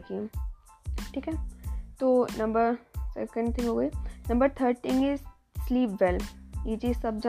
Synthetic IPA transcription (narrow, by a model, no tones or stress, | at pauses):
kĩ | ʈʰiːkɦɛːt̪oːnɐ̃mbəɾsɛ̰kə̃ɳɖ̚t̪ʰɪ̃ŋɡɦoːɡəinɐ̃mbəɾt̪ʰəɾɖʈɪ̃ŋɡɪz | sliːpʋɛljiːd͡ʒisɐb̚d͡ʒa